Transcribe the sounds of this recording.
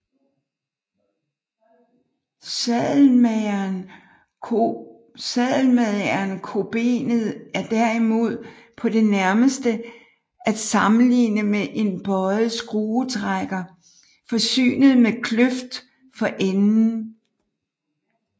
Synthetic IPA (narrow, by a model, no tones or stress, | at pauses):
sɛðˠlmeðɐnkʰo̝b̥e̝̰ːnð̩ˠæɐd̥æɐ̰imo̝ð̞̰ˠ | pʰɒ̽d̥e̝næɐməsd̥ə | ʔæd̥sɑ̈mn̩lḭːnəmeʔe̝nb̥ɒɪsɡ̥ʁuːt͡sʰʁaɡ̥ɐ | fɒ̽sy̰ːnəð̞̩ˠmekʰløfd̥ | fɒ̽ʔenn̩